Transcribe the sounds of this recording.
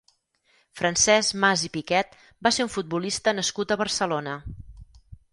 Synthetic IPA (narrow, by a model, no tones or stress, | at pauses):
fɾənsɛsmazipikɛt̪̚ | baseɾuɱfud̪̚bulist̪ənəskut̪əβərsəlonə